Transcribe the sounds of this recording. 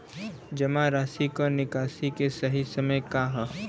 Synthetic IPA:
d͡ʒɐmaɾaːsikonɪkaːsikesɐɦisɐməjkaɦ

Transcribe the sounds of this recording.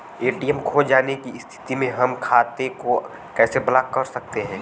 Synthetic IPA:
eːʈiɛmkʰod͡ʒaːnekiɪst̪ʰɪ̥t̪imẽɦɐmkʰaːt̪eko | kɛːsebɐlaːkkɐɾsɐk̚t̪eɦɛ̃ː

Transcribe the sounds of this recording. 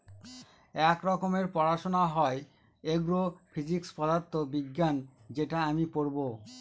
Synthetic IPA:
ɛkɾɔkomeɾpɔɾaʃonaɦɔe | eɡɾofʰid͡ʑikspɔd̪aɾt̪ːobiɡːand͡ʑeʈaamipoɾbo

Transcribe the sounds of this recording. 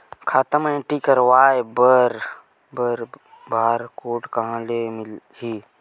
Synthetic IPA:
kʰaːt̪əmẽʈikəɾʋaːebəɾ | bəɾ | bʱaːɾkoːʈkɐɦãlemɪlhiː

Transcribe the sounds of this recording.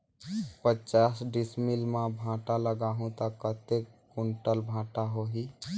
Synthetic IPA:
pət͡ʃaːsɖismilmãbʱãːʈaləɡaːɦũt̪əkːət̪ekuɳʈəlbʱãːʈaɦoɦi

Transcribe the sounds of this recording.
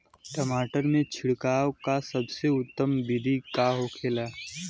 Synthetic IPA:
ʈəmaːʈəɾmẽt͡ʃʰɪɽkaːwkasɐbseʊt̪ːəmbɪd̪ʱikaːɦokʰeːlaː

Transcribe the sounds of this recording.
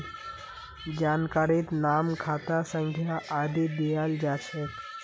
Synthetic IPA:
d͡ʒaːnkaɾit̪namkʰaːt̪asə̃ŋɡʱjaʔːd̪id̪iald͡ʒat͡ʃʰɛ

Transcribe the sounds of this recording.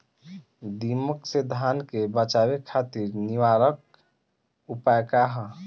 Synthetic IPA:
d̪iməksed̪ʱankebət͡ʃabekʰat̪iɾniwaɾək̚ | upajkaɦə

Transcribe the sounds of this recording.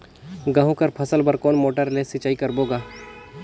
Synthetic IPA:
ɡɐɦũkɐɾpʰɐsəlbɐɾkɔːnmoːʈəɾleːsɪt͡ʃaːikɐɾboːɡaː

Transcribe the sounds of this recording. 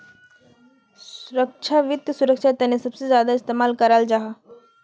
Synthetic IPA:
sʊɾəkt͡ʃʰaʋjʊt̪jəsuɾəkʃʰat̪ɐnesɐbsezjaːd̪aɪst̪eːmaːlkɐɾald͡ʒaɦa

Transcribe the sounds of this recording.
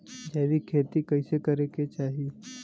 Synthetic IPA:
d͡ʒɛːʋikʰeːt̪ikɐɪsekɐɾeket͡ʃaːɦi

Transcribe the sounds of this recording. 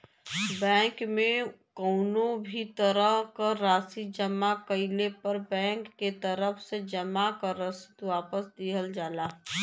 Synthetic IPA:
bɛ̃ːŋkmẽ | koːnõbʱit̪əɾəɦkaɾaːsid͡ʒəmakəɪlepəɾbɛ̃ːŋkːet̪əɾəfsed͡ʒəmakaɾəsɪt̪ʋaːpəsd̪iɦəld͡ʒaːlaː

